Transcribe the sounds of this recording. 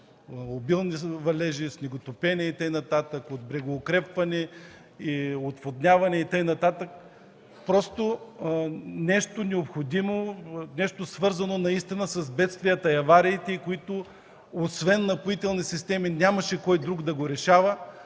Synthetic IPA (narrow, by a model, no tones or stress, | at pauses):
obilˠnivɐlɛʒisnʲɛɡot̪opɛnʲɛit̪əjnɐt̪at̪əkod̪̚bɾɛɡoːkɾɛpvɐnɛ | iot̪vod̪nʲavɐnɛit̪ɤjnɐt̪at̪ək̚ | pɾɔst̪o | nɛʃt̪onɛopxod̪imonɛʃt̪osvɤɾzɐnonɐist̪inəsɐzbɛt̪st̪vijət̪ɐɐvaɾiːt̪ɛikoit̪o | osvɛnːɐpʊit̪ɛlˠnisist̪ɛminʲamɐʃɛkɔjd̪ɾuɡd̪ɐɡoɾɛʃavə